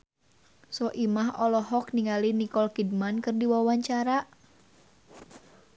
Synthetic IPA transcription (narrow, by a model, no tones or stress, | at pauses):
sɔʔimaɦɔlɔɦɔk̚niŋalinikɔlkid̚mankɨrdiwawaɲt͡ʃaɾa